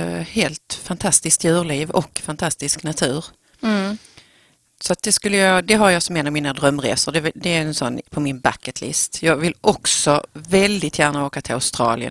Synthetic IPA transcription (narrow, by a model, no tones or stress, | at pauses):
heːlt̪fant̪ʰast̪ɪsk̚t̪jʉ̟ːɾɭiːvɔ̰kːfant̪ʰast̪ɪsknat̪ʰʉ̟ːɾ | sɔat̪̚d̪ɛskɵlːəjɑd̪ɛɦaɾjɑːsɔmɛnamiːnad̪ɾœmːɾḛːsəɖɛd̪ɛɾɛnsɔnːpʰɔmɪnba̰kːət̪ʰlɪ̰st̪jɑːɡvɪlʔɔksɔvɛld̪ɪt̪ʰjæːɳaoːkat̪ʰɪla̰ʊst̪ɾɑ̰ːlɪə̰n